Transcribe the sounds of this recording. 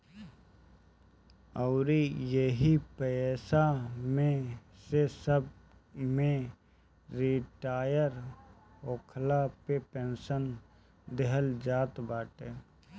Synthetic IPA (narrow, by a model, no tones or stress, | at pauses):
əʊɾijeɦipɛsamẽsesəb̚ | mẽ | ɾiʈaːjəɾ | oːkʰlapepeːnsən | d̪eɦəld͡ʒaːt̪baːʈeː